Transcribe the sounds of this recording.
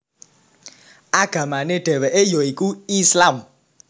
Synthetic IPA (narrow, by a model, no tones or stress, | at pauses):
aɡ̥amaned̥ɛβɛʔejoikuislam